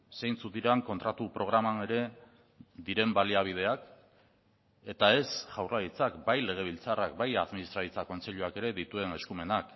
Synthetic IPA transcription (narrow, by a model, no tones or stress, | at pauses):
sejnt͡sut̪iɾaŋko̞nt̪ɾat̪upɾo̞ɣ̞ɾamane̞ɾe̞ | d̪iɾe̞mbaliaβ̞ið̞e̞ak | e̞t̪ae̞sʝawrait͡sakbajle̞ɣ̞e̞β̞ilt͡sarakbajaðminist̪ɾaɾit͡sako̞nt͡se̞ʎuake̞ɾe̞ðit̪ue̞ne̞skume̞nak